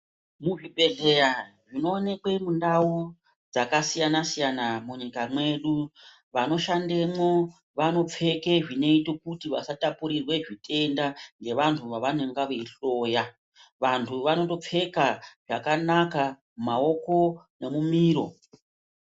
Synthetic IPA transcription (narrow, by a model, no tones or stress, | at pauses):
muʐiɓe̞ɮe̞ɾa | ʐino̞ːne̞kwe̞mundau | d͡zakasijanasijanamuɲikamwe̞ɗu | ʋano̞ʃandemwo | ʋano̞p͡fe̞ke̞ʐine̞itokutiʋa̰satapuɾirwe̞ʐite̞ndaŋɡe̞ʋantʰuʋaʋaneŋɡaʋeiɬo̞ːja | ʋantʰuʋano̞to̞p͡fe̞kaʐakanaka | mmao̞ko̞ne̞mumiːɾo̞